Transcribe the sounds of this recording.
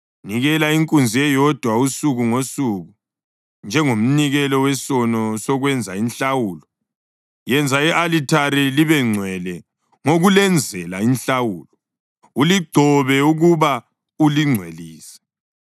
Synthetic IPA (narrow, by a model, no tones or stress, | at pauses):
niɣɛlaiŋkʼund͡zʱiɛjɔd̥ʱwausuɣuŋosuɣu | nd͡ʒʱɛŋom̩niɣɛlɔwɛsɔnɔsɔɣwɛnd͡zʱainɬawuːlɔ | jɛnd͡zʱaɛʔalitʰaɾiliβɛŋ͡ǀʱwɛlɛ | ŋoɣulɛnd͡zʱɛlainɬawuːlɔ | uliɡ͡ǀʱɔβɛuɣuβa | uliŋ͡ǀʱwḛliːsɛ̥